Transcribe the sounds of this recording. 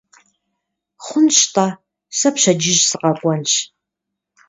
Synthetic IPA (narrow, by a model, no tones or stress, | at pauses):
χʷʊnʃtʼa | sɐpɕɐd͡ʒɪʒsɨqɐkʷʼɔnɕ